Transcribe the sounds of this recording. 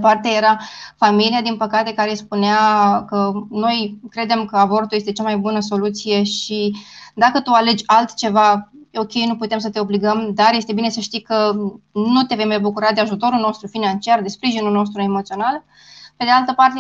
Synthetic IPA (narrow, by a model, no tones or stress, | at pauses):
part̪e̞je̞ɾafamilijad̪inpəkat̪e̞kaɾe̞spuneakəno̞jkɾe̞d̪e̞mkəabo̞rt̪uljest̪e̞t͡ʃamajbunəs̬o̞lut̪sije̞ʃid̪akət̪uale̞d͡ʒʲalt̪t͡ʃe̞vao̞kʲe̞jnuput̪e̞ms̬ət̪e̞o̞bliɡəmd̪arje̞st̪e̞bine̞səʃt̪ijkənut̪e̞vemebukuɾad̪e̞aʒut̪o̞ɾulno̞st̪ɾufinant͡ʃiard̪e̞spɾiʒinulno̞s̬t̪ɾue̞mot̪sio̞nal | pe̞d̪ealt̪əpart̪e